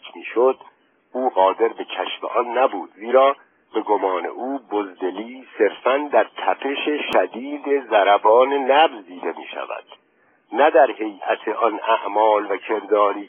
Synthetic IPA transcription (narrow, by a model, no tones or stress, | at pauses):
miːʃod̪̥ | ʔuːɣɒːd̪e̞ɾbe̞cʰæʃfḛʔɒnːæbuːd̪ziːɾɒː | b̥e̞ɡomɒːne̞̰ʔuːbozd̪e̞liːse̞ɾfænd̪æɾt̪ʰæpʰe̞ʃeʃæd̪iːd̪ezæɾæbɒːnenæbzd̪iːd̪e̞mḭːʃæ̰væ̰d̪̥ | næd̪æɾhe̞jʔæt̪ʰeʔɒnæʔmɒːlvæcʰe̞ɾd̪ɒːɾiː